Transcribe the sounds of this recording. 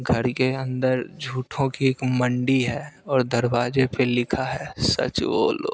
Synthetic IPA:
ɡʱɐɾkeə̃nd̪əɾd͡ʒʱuːʈʰõkieːkmə̃ɳɖiɦɛːɔːɾd̪əɾʋaːd͡ʒepelɪkʰaɦɛːsɐ̰t͡ʃʋo̰ːlo̰ː

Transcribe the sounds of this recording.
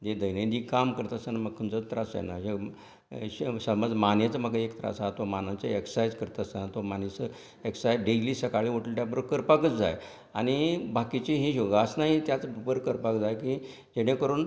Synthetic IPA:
d͡ʑed̪əjned̪iːkamkəɾt̪asanaməɡkʰənt͡sət̪ɾasa̰naɦe | ɕsəməd͡zmanjet͡səməɡəekt̪ɾa̰sat̪omanat͡səeksajd͡zkəɾt̪asanat̪omanisə | eksajɖeliːsəkaɭiːʋoʈəlʈjapəɾokəɾpakət͡sd͡za̰j | aɽ̃ibakit͡ɕiɦiɕoɡasnaɦit̪jat͡sbəbəɾkəɾpakd͡zajkĩ | d͡ʑeɽ̃ẽkəɾuːn

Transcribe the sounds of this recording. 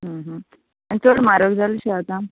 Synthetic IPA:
ɦə̃ɦə̃ | anit͡soɽmaɾəɡd͡zʱaləɕeat̪a

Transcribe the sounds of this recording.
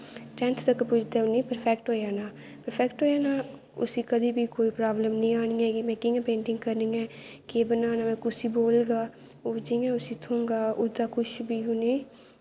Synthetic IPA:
ʈɛ̃ːnst̪əkpʊt͡ʃʰd̪eːʊniːpəɾpʰɛːkʈɦoːjaːnaː | pəɾpʰɛːkʈɦoːjaːnaː | ʊ̰sĩːkəd̪iːbiːkoːiːpɾaːbləmnəĩːaːɽ̃ĩːɛːɡimɛ̃ːkɪŋɡpẽːɳʈɪ̃ŋɡkəɾniːɛ̃ːkeːbənaːnaːmɛ̃ːkʊsiːboːlɡaː | oːd͡ʒiãːʊsĩːt̪ʰʊ̃ːŋɡaːʊd̪aːkʰʊʃbiːɦʊniː

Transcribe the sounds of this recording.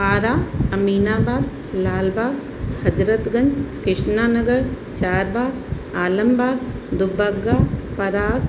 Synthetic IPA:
aːɾaːɐmiːnaːbaːd̪ | laːlbaːɡ | hɐd͡ʒɾət̪ɡɐ̃ɲd͡ʒkɪʂnaːnɐɡəɾ | t͡ʃaːɾbaːɡ | aːlɐmbaːɡ̪d̪ʊbɐɡːaːpɐɾaːt̪

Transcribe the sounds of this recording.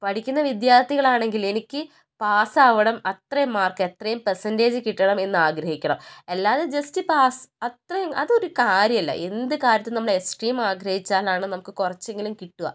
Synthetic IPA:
pɐʈʰikʲːunːɐʋid̪jaːrt̪ːiɣɐɭaːɳe̞ŋɡile̞nikʲːɨ | paːsaːʋɐɽɐmɐt̪rɐjmːaːrkɨet̪rɐjumpersɐnde̞ːd͡ʑɨkiʈːɐɳɐme̞nːɨaːɡɾɐhikʲːɐɳɐmɐlːaːðed͡ʑɐstipaːsɐt̪rɐjumɐðɨo̞ɾukaːɾjɐmilːɐ̰ʔe̞nd̪ɨkaːɾjɐt̪ːɨnɐmːɭeesʈriːmaːɡɾɐhit͡ɕːaːlaːɳɨnɐmukːɨkurɐt͡ɕːe̞ŋɡilumkiʈːuɣɐ̰

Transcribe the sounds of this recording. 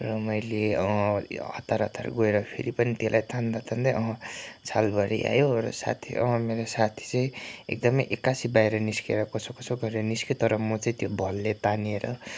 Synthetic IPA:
rʌmʌjleʌʌ̰t̪aɾʌt̪a̰rɡoeɾʌpʰḛɾipʌnit̪elʔajt̪ʰand̪at̪ʰand̪ʌjʌɦʌ̃t͡sʰalbʱʌɾḭʔa̰joɾʌ̰sa̰t̪ʰḭʔʌ̰ɦmeɾosat̪ʰi̥t͡sʌĩḛk̚d̪ʌmʌjʔekːasibajɾʌniskeɾʌkot͡sʰʌkʌt͡sʰoɡʌɾeɾʌniskit̪ʌɾʌmʌt͡saĩt̪jobʱʌlːet̪anieɾʌ

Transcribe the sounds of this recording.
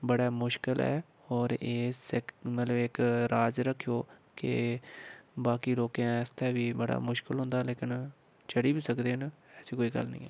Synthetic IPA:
bəɽaːmʊʃkɪlɛ̰ː | ɔːɾeːsɪkmət̪ləbɪkɾaːd͡ʒɾəkʰːjoːkɪ̰ | baːkiːloːkjãːɪst̪ʰɛːʋiːbəɽa̰ːmʊʃkɪlɦʊ̃nd̪aːleːkɪn | t͡ʃəɽiːbiːsəkd̪eːɦnɛːsiːkoːiːɡə̰lnəḭ̃ːɛː

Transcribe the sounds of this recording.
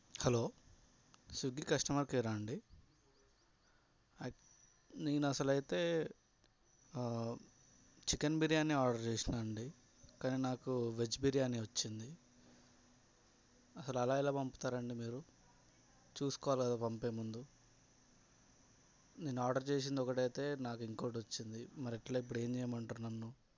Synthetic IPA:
hɐlo̞ː | suɡikɐʂʈɐmɐɾkiɾaːɳɖi | neːnuɐsɐlɐjit̪e̞ː | t͡ʃikɐnbiɾjaːnːiaːɖɐɾt͡ʃeːsinaɳɖi | kaːniːnaːkuʋet͡ʃbiɾijaːniʋɐt͡ʃːind̪i | ɐsɐluɐlaːjiloːpɐmpu̥t̪aːɾɐɳɖimiːɾu | t͡ʃuːsu̥kɔʋaːliɡɐd̪aːpɐmpe̞ːmund̪u | neːnːuaːɖɐɾt͡ʃe̞ːs̬ind̪ɔkɐʈɐjt̪e̞ːnaːkuiŋkoːʈɐt͡ʃːind̪imɐɾiɛʈlaːip̬ːuɽe̞ːɲt͡ʃɛːjmɐɳʈunɐnːu

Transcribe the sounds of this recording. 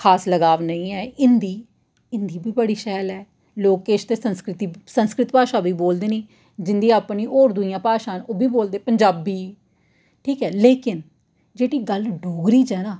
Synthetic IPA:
kʰaːsləɡaːʋnəĩːɛːɪnd̪iː | ɪnd̪iːbʱiːbəɽiːʃɛːlɛː | loːkeːʃt̪eːsənskɾɪt̪iːsənskɾɪt̪paːʃaːbiːboːld̪eːniː | d͡ʒɪnd̪iːaːpɳiːʔɔːɾd̪ʊijãːpaːʃãːnoːbʱiːboːld̪eːpəɲd͡ʒaːbiː | ʈʰiːkɛːleːkɪn | d͡ʒeːɽiːɡəlɖoːɡɾiːt͡ʃɛːnaː

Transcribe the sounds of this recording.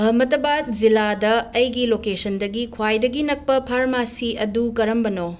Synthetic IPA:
ɦɐmɐtɐbat̚ziladɐːjɡilokesɐndɐɡikʰwajdɐɡinɐk̚pɐpʰaɾmasiɐdukɐɾɐmbɐno

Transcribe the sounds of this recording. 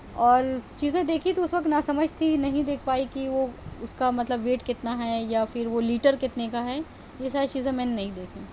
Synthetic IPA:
ɔːɾt͡ʃiːzẽd̪eːkʰit̪oʊsʋɐk̚t̪nasɐməd͡ʒʱt̪ʰinɐɦĩd̪eːkʰpaːikiʋoʊskamɐt̪ləbʋeːʈkɪt̪naɦɛjafɪɾʋoliːʈəɾkɪt̪nekaɦɛː | jesaːɾit͡ʃiːzẽmɛːnenɐɦĩd̪eːkʰẽː

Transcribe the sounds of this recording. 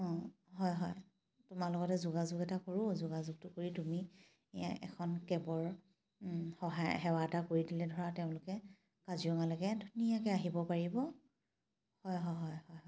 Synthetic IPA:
ɔ̃ | ɦɔjɦɔj | tʊmalʊɡɔtɛzuɡazʊɡɛtakoɹʊ̃zuɡazuɡ̚tʊkoɹitumi | ḛja̰ʔɛ̰kʰɔnkɛbɔɹ | hɔɦajhɛwatakoɹidilɛdʱɔɹateʊ̃lʊkɛ | kaziɔŋalɔkɛdʱunijakɛaɦibɔpaɹibɔ | hɔjɦɔjɦɔjhɔjɦɔj

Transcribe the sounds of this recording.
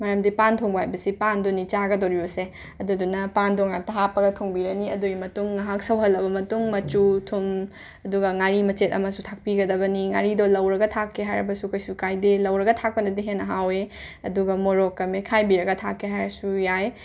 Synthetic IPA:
mɐɾɐmdipantʰoŋbɐɦajbɐsipandonit͡ʃaɡɐdɐwɾibɐse | ɐdudunɐpandoŋatɐɦapːɐɡɐtʰoŋbiɾɐniɐduɡimɐtuŋːaɦak̚sɐwɦɐlːɐbɐmɐtuŋmɐt͡ʃutʰum | ɐduɡɐŋaɾimɐt͡ʃetɐmɐsutʰak̚piɡɐdɐbɐniŋaɾidolɐwɾɐɡɐtʰakʰːeɦajɾɐbɐsukɐjsukajdelɐwɾɐɡɐtʰak̚pɐnɐdiɦenːɐɦaweɐduɡɐmoɾokːɐmekʰajbiɾɐɡɐtʰakʰːeɦajɾɐsujaj

